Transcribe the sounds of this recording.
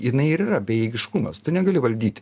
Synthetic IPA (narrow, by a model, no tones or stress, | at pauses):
jɪnɐɪɪɾirɐbʲɛjɛːɡʲɪʃkʊmɐst̪ʊnʲɛɡɐlʲɪʋɐlʲd̪ʲiːt̪ʲ